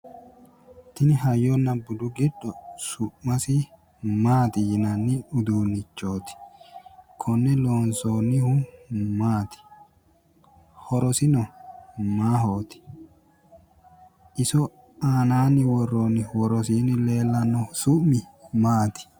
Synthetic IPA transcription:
t̪ɪnɪɦɐjːɔnːɐbʊd̪ʊɡɪɗɔsʊmːɐsɪ | maːt̪ɪjɪnɐnːɪʊd̪uːnːɪt͡ʃːoːt̪ɪ̥ | kʰɔnːɛloːnsoːnːɪhʊmaːt̪ɪ̥ | hɔɾɔsɪnɔmaːɦoːt̪ɪ̥ | ʔɪsɔ | aːnaːnːɪwɔrːoːnːɪwɔɾɔs̬iːnɪle̞ːlːɐnɔsʊʔmːɪmaːt̪ɪ̥

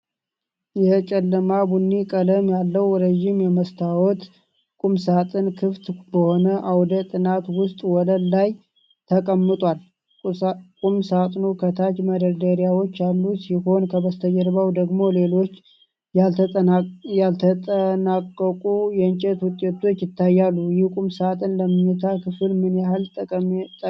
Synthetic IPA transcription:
jɛt͡ʃʼɛlːəmabunːikʼələmjalːəwɾəʒɪmjɛməst̪ʰawɔt̪ | kʼumsat̪ʼɨnkʰɨft̪bəho̞nəʔawd̪ət̪ʼɨnat̪wʊst̪ʼwɔləlːaj | t̪ʰəkʼəmːɨt̪ʼwal | kʼumsat̪ʼnukʰət̪ʰat͡ʃməd̪əd̪əɾjawo̞t͡ʃːalːusiho̞nkʰəbəst̪ʰəd͡ʒəɾbawd̪əɡmo̞le̞lo̞t͡ʃː | ja | jalt̪ʰəənakʼːəkʼujɛɨnt͡ʃʼɛt̪wʊt̪ʼːe̞t̪ʰo̞t͡ʃːjɪt̪ʰːajːalːujɪhkʼumsat̪ʼɨnləmɨɲɨt̪ʰakʰɨfɨlmɨnjahalʼt̪ʼ

